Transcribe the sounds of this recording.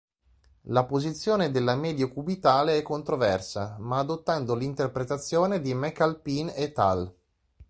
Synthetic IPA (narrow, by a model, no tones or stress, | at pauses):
lapozit̪sːjoːned̪elːamɛːd̪jokubit̪aːleɛkːont̪ɾovɛrsamaːd̪ot̪ːand̪olint̪erpɾet̪at̪sːjoːned̪imɛkːalpinet̪ːa̰l